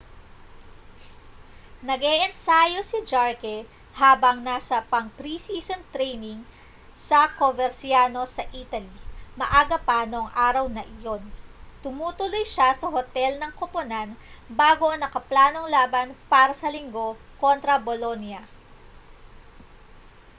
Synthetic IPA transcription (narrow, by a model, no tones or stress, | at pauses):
nɐɡɛʔɛnsaːjosid͡ʒaɹkɛ | haːbɐŋnasɐpɐŋpɾisiːsont̪ɾɛjnɪŋ | sɐkovɛɾsjaːno̞sɐʔiːt̪ɐlimɐʔaːɡɐpaːnoŋʔaːɾɐwnɐʔɪjo̞nt̪ʊmuːt̪ʊlojʃasɐɦot̪ɛlnɐŋkoponanbaːɡo̞ʔɐnɐkɐplaːno̞ŋlaːbɐnpaːɾɐsɐlɪŋɡo̞ko̞nt̪ɾɐbolo̞njɐ